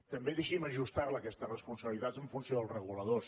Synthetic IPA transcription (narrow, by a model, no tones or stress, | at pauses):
t̪əmbeðeʃiməʒust̪arləːkɛst̪ərəspunsəβəlit̪azəɱfunsijoðəlˠzrəɣuləðos